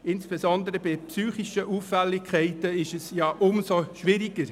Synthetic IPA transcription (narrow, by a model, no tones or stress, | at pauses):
ɪnsb̥ɛzɔnd̪əɾəbɪpsyːχɪʃəʔufːɛlːɪkʰχɛɪtəɪʃɛsjɑʔʊmsoʃʋɪɾɪɡ̥əɾ